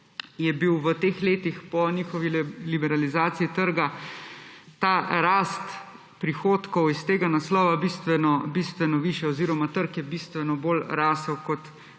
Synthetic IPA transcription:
jɛbiwʋət̪eːxleːt̪ixpɔniːxɔʋilibɛɾalizaːt̪siit̪əɾɡa | t̪aːɾaːst̪ | pɾixoːt̪kɔwist̪eːɡanaslɔːʋabist̪ʋɛnɔbist̪ʋɛnɔʋiːʃjɛɔziːɾɔmat̪əɾkjɛbist̪ʋɛnɔbolɾasɛwkɔt̪

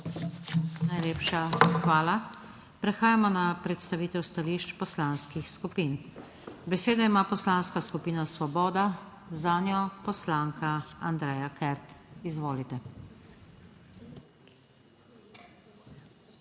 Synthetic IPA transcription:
najleːpʃaxʋaːla | pɾɛxaːjamɔnapɾɛt̪st̪aʋiːt̪ɛwst̪aliʃt͡ʃpɔslaːnskixskupin | bɛseːd̪aimaːpɔslaːnskaskupiːnasʋɔbɔːd̪a | zaːnjɔpɔslaːŋkʰaand̪ɾɛːjakɛɾt̪izʋoːlit̪ɛ

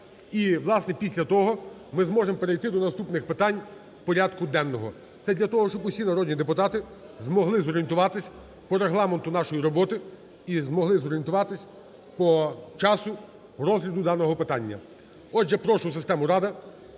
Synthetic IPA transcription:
iʋlˠɑsnɛpʲisʲlʲɐt̪ɔɦɔ | mɪzmɔʒempeɾejt̪ɪd̪ɔnɐst̪upnɪxpɪt̪ɑnʲ | pɔɾʲad̪kʊd̪ɛnːɔɦɔ | t̪sɛd̪ʲlʲɐt̪ɔɦɔʃt͡ʃɔbʊsʲinɐɾɔd̪ʲnʲid̪epʊt̪ɑt̪ɪ | zmɔɦlˠɪzɔɾʲijent̪ʊʋɑt̪ɪsʲ | pɔɾeɦlˠɑment̪ʊnɑʃɔjiɾɔbɔt̪ɪ | izmɔɦlˠɪzɔɾʲijent̪ʊʋɑt̪ɪsʲ | pɔt͡ʃɑsʊ | rɔzlʲɐd̪ʊd̪ɑnɔɦɔpɪt̪ɑnʲːɐ̰ | ɔʒɛpɾɔʃʊsɪst̪ɛmʊɾɑd̪ɐ

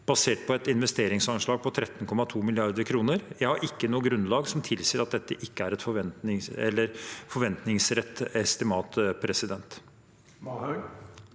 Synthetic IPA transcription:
b̥ɑseːʈ̚pʰɔɛt̪ɪnʋɛst̪eːɾɪŋsɑnʂɭɑːɡ̚pʰɔt̪ʰɾɛt̪ːnkʰɔmɑt̪ʰuːmɪlɪɑɾd̪əɾkʰɾuːnəɾjæɪhɑɾʔɪkːənuːəɡɾʉnlɑːɡsɔmt̪ʰɪlsiːɾɑt̪̚d̪ɛt̪ːəʔɪkːəæɾɛt̪fɔʋɛnnɪɛ̰lːəɾfɔɾʋɛnt̪nɪŋsɾɛt̪ːɛst̪ɪmɑːt̪pʰɾɛsɪd̪ɛnt̪

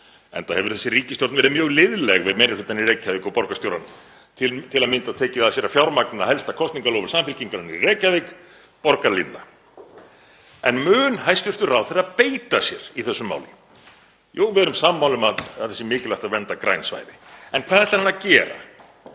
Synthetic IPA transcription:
ɛ̰nθahɛvʏɾ̥θɛsːɪriːcɪst̪jowt̪vɛːɾɪmjœːɣlɪðlɛɣvɪmɛɾɪ̥hʏt̪anireːcavekapɔɾkast̪jowɾa̰n | t̪ʰɪlt̪ʰɪlaðmɪnt̪aðt̪ʰɛːcɪaðasjɛɾafjawɾmaknɪðahɛlst̪akʰɔst̪niŋkalowvʏɾ̥saːmfɪlciŋkaɾanirɛːcavek | pɔɾkalḭnːa | ɛnmʏːnhajst̪ʏr̥t̪ʏɾawθeɾapeːjt̪asjɛɾ̥iθɛsːʏmːa̰wlɪ | joːwvɛðɛɾʏmsamːawlʏmaðaðθɛsːɪmɪːcɪlajht̪aðvɛnt̪akɾajnsva̰jðɪɛnkʰvaːðɛɾt̪ahanːacɛːɾa̰

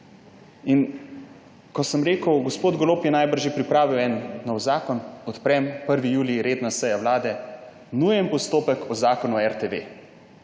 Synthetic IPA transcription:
in | kɔsəmɾeːkəwɡɔspoːd̪̚ɡoloːpjɛnajbəɾʒepɾipɾaːʋiwɛnːɔwzaːkɔnɔt̪pɾɛmpəɾʋijuːliɾeːd̪nasɛjawlaːd̪ɛ | nujəmpɔst̪oːpəkɔzaːkɔnuɛɾt̪eʋeː

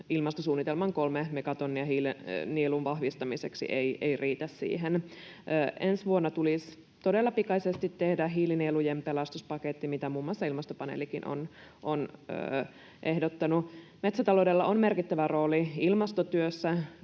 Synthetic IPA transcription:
ilmɑst̪osuːnːit̪elmɑŋkolmemekɑt̪onːiɑɦiːlnielunʋɑhʋist̪ɑmiseksḭʔeiʔeiriːt̪æssḭːɦenː | ensʋuonːɑt̪ulis | t̪odelːɑpikɑsest̪it̪ːehdæɦiːlinieːlujempelɑst̪uspɑket̪ːimit̪æmuːmːuɑsːɑilmɑst̪opɑnḛlikinʔo̰nʔonø̰ | ʔehdot̪ːɑnumet̪sæt̪ɑlowdelːɑʔonme̞rkit̪ːæʋæro̞ːliilmɑst̪ot̪yøsːæ

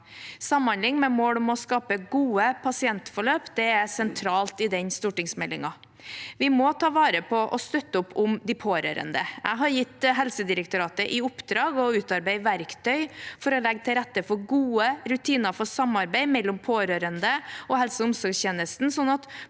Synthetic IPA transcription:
sɑmːɑnlɪŋːmɛmoːɽɔmɔskɑːpəɡuːəpʰɑsɪɛnt̪fɔɭøːpd̪ɛæsɛnt̪ʰɾɑːlt̪ɪd̪ɛɲst̪uːʈɪŋsmɛlːɪŋɑ | ʋɪmɔt̪ʰɑːʋɑːɾəpʰɔʔɔst̪œt̪ːəʊpːʊmd̪ɪpʰoːɾø̰ːɾə̰nd̪əæ̰ɦɑɾjɪt̪ːɦɛlsəd̪ɪɾəkt̪ʊɾɑːt̪əʔɪʊpːd̪ɾɑːɡɔʉːt̪ɑɾbæɪʋæɾkt̪ʰœʏfɔɾɔlɛɡːt̪ɪlɾɛt̪ːəfɔɡuːəɾʉt̪ʰiːnɑfɔsɑmɑɾbæɪmɛlːɔmpʰoːɾøːɾənd̪əɔhɛlsəʊmsɔɾɡçeːnəst̪n̩sɔnːɑt̪

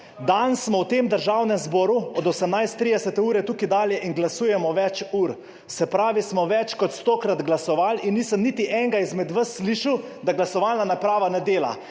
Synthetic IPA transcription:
d̪ansmɔwt̪eːmd̪əɾʒaːwnɛmzbɔːɾuɔd̪ɔsəmnajst̪ːɾid̪ɛsɛt̪ɛuːɾɛt̪ukid̪aːljɛʔiŋɡlasuːjɛmɔʋɛt͡ʃuːɾ | sɛpɾaːʋismɔʋɛt͡ʃkɔt̪st̪okɾad̪ɡlasɔʋalinːiːsəmnit̪iʔɛŋɡaizmɛd̪ʋəsːliːʃəwd̪aɡlasɔʋalnanapɾaːʋanɛd̪eːla̰

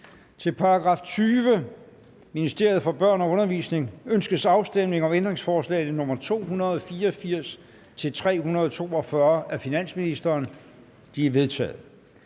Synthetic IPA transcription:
t͡sʰe̝lpʰɑ̈ɑɡ̥ʁɑ̰̈ːft͡sʰyːʋə | minisd̥e̝ɐð̩ˠfɒ̽b̥ɶɐ̰nɒ̽ɔ̽nɐʋḭsne̝ŋønsɡ̥əðsɑ̈ʊsd̥em̰ne̝ŋɒ̽mend̥ʁeŋsfɒːslɛ̰ːɪð̩ˠnɔ̽m̰ɐt͡sʰo̝̰ːhunɐð̞ˠɒ̽fiːɐɒfiɐ̰s | t͡sʰe̝lt͡sʰʁɛ̰ːhunɐð̞̩ˠɒ̽t͡sʰo̝̰ːɒ̽fɶɐæfinæn̰sminisd̥ɐːn | d̥iæʋe̝ð̞ˠt͡sʰɛ̰ːð̩ˠ

